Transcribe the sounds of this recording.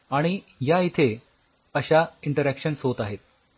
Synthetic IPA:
aɽ̃ijait̪ʰe | əɕaiɳʈəɾækɕənsɦot̪aɦet̪̚

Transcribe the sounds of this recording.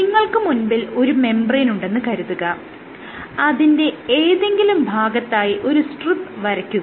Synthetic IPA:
niŋːɐɭkɨmunbilo̞ɾume̞mbɐrejnuɳɖe̞nːɨkɐɾuðuɣɐ | ɐðinde̞eːðe̞ŋɡilumbʱaːɡɐt̪ːaːjiʔo̞ɾusʈrɨt̪ːʋɐɾɐkʲːuɐ

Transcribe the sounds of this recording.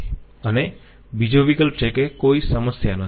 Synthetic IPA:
əne | bid͡ʒoʋikəlpt͡ʃekekoisəməsjanə

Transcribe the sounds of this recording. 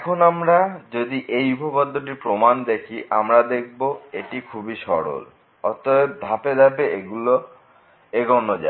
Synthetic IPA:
ɛkʰonamɾad͡ʑod̪iʔejupʰopad̪ʱːoʈ̬iɾpɾomand̪ekʰiʔa̰mɾad̪ek̚ʰboeʈikʰubiʃɔɽo̰l | ɔt̪ɔed̪ʱaped̪ʱapeeɡulo | eɡɔnod͡ʑa̰

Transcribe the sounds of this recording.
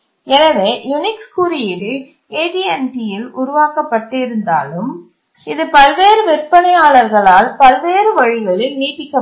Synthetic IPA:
ɛnɐʋeːjʊnɪkskuɾɪjɪlɯ | eːʈiɛnʈɪjɪlʊɾʊʋaːkɐpːɐʈːɪɾɯnd̪a̰ːlɯm | ɪðɯpɐlʋeːɾɯʋɪɾpːɐnɐjaːɭɐɾɣɐɭaːlpɐlʋeːɾɯʋɐɻɪʋɐɭɪlniːʈːɪkːɐ

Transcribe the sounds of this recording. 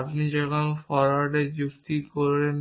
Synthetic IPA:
apnid͡ʑɔkʰonfɔɾaɖed͡ʑukt̪ikoɾen

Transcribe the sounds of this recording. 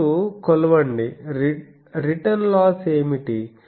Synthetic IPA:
ukɔlɐʋɐɳɖi | ɾiʈɐnlaːse̞ːmiʈi

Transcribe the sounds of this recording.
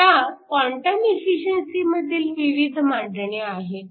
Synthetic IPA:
j̪akɔɳʈəmefiɕənsiməd̪ʱːiːlʋiʋid̪ʱmadʱɳeaɦe

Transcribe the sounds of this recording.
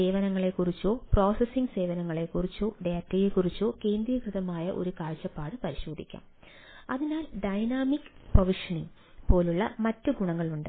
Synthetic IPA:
e̞ːʋɐnɐŋːɐɭe̞kːurit͡ɕːo̞ːpro̞ːsesiŋɡse̞ːʋɐnɐŋːɐɭe̞kːurit͡ɕːo̞ːɖeːtːɐjekːurit͡ɕːo̞ːke̞ːnd̪ɾijɐkrɨðɐmaːjɐʔo̞̰ɾukaːɻt͡ɕːɐpːaːɽɨpɐɾiɕo̞ːd̪ʱḭkʲːa̰ːm | ɐðinaːlɖɐjnaːmikːɨ̥prɐʋiʂɐniŋ | po̞ːluɭːɐ̰mɐtːuɡuɳɐŋːɐɭuɳɖɨ̰

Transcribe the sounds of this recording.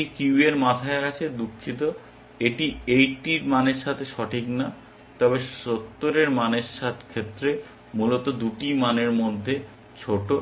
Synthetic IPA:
ikuweɾmat̪ʰaekat͡ɕʰed̪ukʰːit̪o | eʈiejʈiɾmaneɾʃat̪ʰeʃɔʈʰikna | t̪ɔbeʃot̪ːoɾeɾmaneɾʃat̪ʰkʰet̪ːɾe | mulot̪od̪uʈimaneɾmod̪ʱːe | t͡ɕʰoʈo

